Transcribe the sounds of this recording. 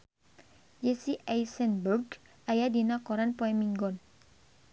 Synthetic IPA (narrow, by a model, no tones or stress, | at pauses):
d͡ʒesiʔajsɛnburɡ | ajadinakɔɾanpɔɛmiŋɡɔn